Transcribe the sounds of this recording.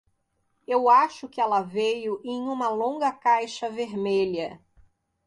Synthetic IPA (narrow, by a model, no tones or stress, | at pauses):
ewaʃʊkɪɛlɐvejʊʔẽj̃ũmɐlõɡɐkajʃɐveɾmeʎɐ